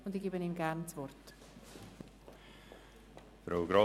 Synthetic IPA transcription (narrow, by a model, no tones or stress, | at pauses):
ʊndiɡiːbəniːmɡæɾnt͡svɔrt | fɾʔaʊɡɾɑ